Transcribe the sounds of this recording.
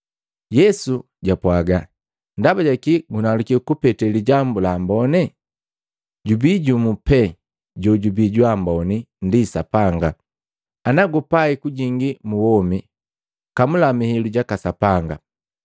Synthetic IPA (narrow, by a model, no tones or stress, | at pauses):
jɛsu | ɟapwaɡa | ndabaɟakiɡunalukikupɛtɛliɟambulambɔnɛ | ɟubiɟumupɛ | ɟɔɟubiɟwambɔnindisapaŋɡa | anaɡupaikuɟiŋɡimuwɔmi | kamulamihiluɟakasapaŋɡa